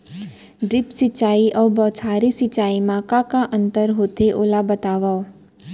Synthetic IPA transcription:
ɖɾɪpsit͡ʃaiʔəʋbɔt͡ʃʰaɾisit͡ʃaimãkakãʔənt̪əɾɦot̪ʰeʔolabət̪aʋao

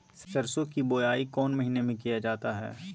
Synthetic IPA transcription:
st̪ɐɾsõkiboːjaːikɔːnmɐɦiːnemẽkijad͡ʒaːt̪aɦɛ̰ː

